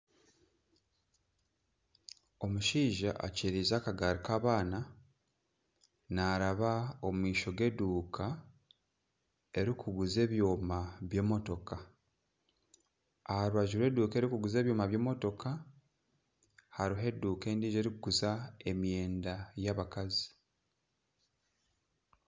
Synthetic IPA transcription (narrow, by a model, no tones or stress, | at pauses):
o̞muʃiːʒaʔa̰ceɾiːzakaɡaːɾikaːβaːna | naɾaβaomumwiːʃo̞ɡe̞duːkʰa | e̞ɾikʰuɡuze̞ːβjo̞ːmaβje̞ːmo̞to̞ka | ahaɾwaʒuɾwe̞ːduːke̞ɾikuɡuze̞ːβjo̞ːmaβje̞ːmoto̞kʰa | haɾiɦe̞dːuːke̞ːndiːʒe̞ɾikuɡuzae̞mjeːndajaβakazi̥